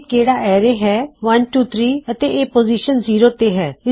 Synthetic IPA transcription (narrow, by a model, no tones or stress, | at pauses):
keːɽaʔɛːɾeɦɛːʋənʈuːt̪ʰɾiːət̪eʔeːpoːziʃənziːɾoːt̪eɦɛːɪ